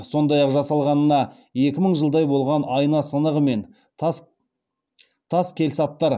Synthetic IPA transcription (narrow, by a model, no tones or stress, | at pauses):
so̞nd̪ɑjɑqʒɑsɑlˠʁɑnənɑ | je̞kʲɪməɴʒəlˠd̪ɑjbo̞lˠʁɑnɑjnɑsənəʁəme̞n | t̪ʰɑskʲʰe̞lsɑp̚t̪ɑɾ